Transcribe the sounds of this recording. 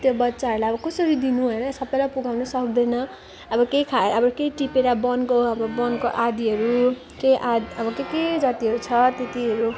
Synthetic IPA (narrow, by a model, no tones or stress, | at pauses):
t̪jobʌtːsaɦʌɾulajʌbʌkʌsʌɾid̪inuɦojnʌsʌbːʌjlapuɡawnʌsʌkd̪ʌjnʌ | ʌbʌkejkʰaʌbʌkeʈipeɾabʌnkoʌbʌbʌnkoʔad̪iɦʌɾu | kejʔad̪ʌbʌkeked͡zʌt̪iɦʌɾut͡sʰʌt̪et̪iɦʌɾu